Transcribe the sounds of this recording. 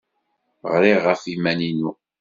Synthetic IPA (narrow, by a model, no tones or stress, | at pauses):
ʁɾiʁːəfimæninu